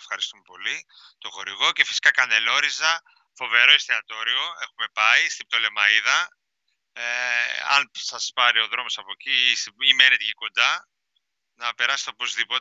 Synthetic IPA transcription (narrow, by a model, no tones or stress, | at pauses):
efxɐɾist̪ume̞po̞li | t̪o̞xo̞ɾiɣo̞ce̞fi̥si̥kɐkɐne̞lo̞ɾizɐ | fo̞ve̞ɾo̞ist̪eɐt̪o̞ɾio̞e̞xume̞pɐist̪ib̚t̪o̞le̞mɐiðɐ | eɐ̰nsɐspɐɾio̞ðɾo̞mo̞sɐpo̞cisimenet̪eʝiko̞nd̪ɐ | nɐpe̞ɾɐse̥t̪eo̞po̞zðipo̞